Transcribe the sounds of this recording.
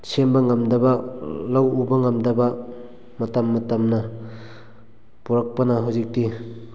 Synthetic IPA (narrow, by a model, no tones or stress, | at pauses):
sembɐŋɐmdɐbɐlawubɐŋɐmdɐbɐ | mɐtɐmːɐtɐmnɐ | puɾɐk̚pɐnɐɦawzik̚ti